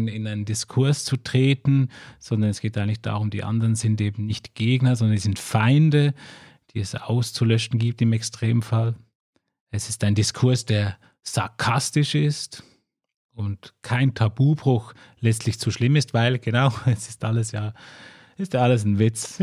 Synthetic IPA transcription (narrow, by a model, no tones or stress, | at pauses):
ɪnaɪnəndɪskʰʊɐst͡sutʁ̥eːtn̩z̥ɔndɐnɛsɡ̥eːtaɪəŋtlɪçd̥a̰ːʁʊmdḭːʔa̰ndəʁənzɪnteːbm̩nɪçtɡ̥eːɡnɐzɔndɐnɛsɪntfaɪndə | d̥iːɛsa̰ʊst͡sulœʃn̩ɡiːp̚tɪmɛkstʁ̥eːmənfal | ɛsɪstaɪndɪskʰʊɐsd̥eːɐ | z̥a̰ɐkʰastɪʃɪst | ʊntkʰaɪntʰabuːbʁʊx | lɛt͡stʰlɪçt͡suʃlɪmɪstv̥aɪlɡ̥ənaʊɛsɪ̥stʔaləsjaː | ɪstjaːaləs̬nvɪt͡s